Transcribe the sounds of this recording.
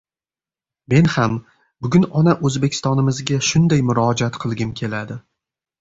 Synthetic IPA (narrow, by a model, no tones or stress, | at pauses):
me̞nham | bʊɡʲʊnɒnaʔɵzbekʲʰɪ̥st̪ɒnɪmɪzɡʲaʃʊnd̪ajmʊɾɒd͡ʒat̪qʰɨlˠɡʲɪmkʲʰe̞lad̪ɪ